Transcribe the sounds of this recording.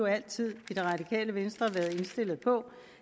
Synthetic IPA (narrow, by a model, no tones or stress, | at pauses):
oæl̰t͡sʰið̰ˠid̥e̝ʁɑ̈d̥ikʰɛ̰ːləʋensd̥ʁɐʋæɐð̞̩ˠe̝nsd̥e̝l̰ð̩ˠpʰɒ̽